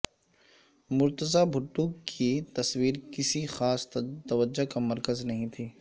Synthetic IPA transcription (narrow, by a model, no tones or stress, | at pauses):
mʊɾt̪əzabʱʊʈːuːkʰit̪ɐswiːɾkɪsixaːst̪ɐʋəd͡ʒokamɐɾkəznɐɦĩt̪ʰiː